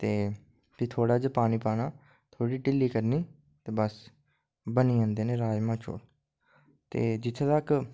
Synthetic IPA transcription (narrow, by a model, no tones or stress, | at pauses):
t̪eː | biːt̪ʰoːɽaːd͡ʒəpaːniːpaːnaː | t̪ʰoːɽiːʈɪliːkəɾniː | t̪eːbəs | bəniːãːnd̪eːneːɾaːd͡ʒmãːt͡ʃʰo̰ː | t̪eːd͡ʒɪt̪ʰːet̪ək